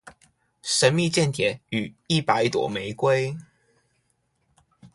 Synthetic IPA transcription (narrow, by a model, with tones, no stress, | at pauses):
ʂə˧˥nmi˥˧t͡ɕjɛ˥˩nt̪ʰjɛ˨˩˦ny˨˩˦i˥˩pa˨˧˦ɪt̪wɔ̰˨˩me˧˥ɪkwe˥ɪ